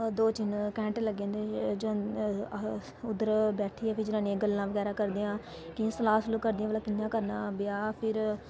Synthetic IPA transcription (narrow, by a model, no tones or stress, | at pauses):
d̪oːt͡ʃɪnkɛ̃ːɳʈləɡẽːnd̪eːd͡ʒ | ʊd̪əɾbɛːʈʰiːɛːpʰɪɾd͡ʒɪnãːnĩːeːɡəlːãːʋəɡɛːɾaːkəɾd̪ijãː | kɪsəlaːsəluːkəɾd̪ɪjãːʋəlaːkɪnːãːkəɾnãːbɪjaːpʰɪɾ